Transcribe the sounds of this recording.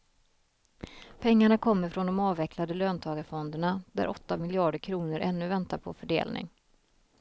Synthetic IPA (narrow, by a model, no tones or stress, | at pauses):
pʰɛŋːaɳakʰɔmːəɾfɾɔnd̪ɔmɑːvɛkʰlad̪əløːnt̪ʰɑːɡafɔnd̪əɳad̪æ̰ɾʔɔt̪ːamɪljɑːɖəɾkʰɾuːnəɾʔɛnːɵvɛnt̪aɾpʰɔ̰fœɖḛːlnʔɪ̰ŋ